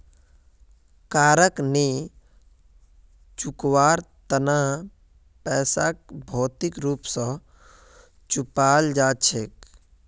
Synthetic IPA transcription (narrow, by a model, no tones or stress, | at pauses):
kaːɾəkni | t͡ʃukwaːɾt̪əna | pɛːsak̚bʱɔːt̪ikɾuːpsə̃ | t͡ʃupaːld͡ʒaːt͡ʃʰeːk